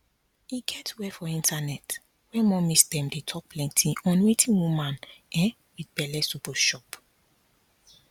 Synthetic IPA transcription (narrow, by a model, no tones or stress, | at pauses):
iɡɛtwɛfɔĩntʰanɛt | wɛmɔ̃misdɛ̃mdetʰɔk̚pʰlɛ̃ntʰiɔ̃nwetʰĩnwumãnɛ̃ | widbɛlɛsupɔʃɔp